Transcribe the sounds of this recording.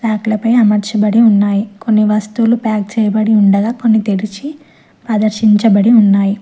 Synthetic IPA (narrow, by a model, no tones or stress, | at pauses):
saːklɐpɐjɐmɐɾt͡ʃɐbɐɽiunːaːjikonːiʋɐst̪ulupaːk̚t͡ʃɛːjɐbɐɽiuɳɖɐɡaːko̞nːit̪eɾit͡ʃi | pɐd̪ɐɾʃiɲt͡ʃɐbɐɽiunːaːji